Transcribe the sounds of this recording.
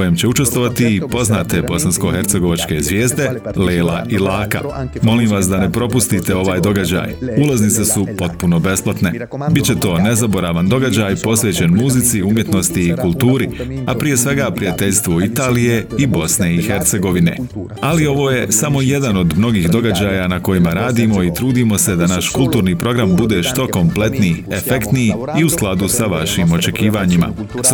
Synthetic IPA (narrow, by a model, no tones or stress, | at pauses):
ojemt͡ɕe̞ut͡ʃe̞st̪ʋo̞ʋat̪iːpo̞znaːt̪e̞bo̞sansko̞xe̞ɾt̪seɡo̞ʋat͡ʃkezʋje̞ːzd̪e̞ | leːla̰ʔilaːka̰mo̞liːmʋasd̪ane̞pɾo̞pust̪it̪e̞o̞ʋaːjd̪o̞ɡad͡ʑa̰ːjulˠaznit̪se̞supo̞t̪̚puno̞be̞splat̪ne̞ | bitt͡ɕe̞t̪o̞ːne̞zabo̞ɾaːʋand̪o̞ɡad͡ʑaːjpo̞sʋe̞ːt͡ɕe̞nmuzit̪siumje̞t̪no̞st̪iːkulˠt̪uːɾiapɾije̞sʋe̞ɡaːpɾijat̪e̞ʎʲst̪ʋoit̪aːlije̞ibo̞sneixe̞ɾt̪se̞ɡo̞ʋine̞̰ | alio̞ʋo̞ːje̞samo̞je̞d̪ano̞d̪mno̞ɡiːxd̪o̞ɡad͡ʑaːjanako̞jimaɾaːd̪imo̞it̪ɾuːd̪imo̞se̞d̪anaʃkulˠt̪uːɾniːpɾo̞ɡɾambud̪e̞ʃt̪o̞ko̞mple̞t̪nijefe̞kt̪niiusklˠad̪usaʋaʃimo̞t͡ʃe̞kiːʋaɲima̰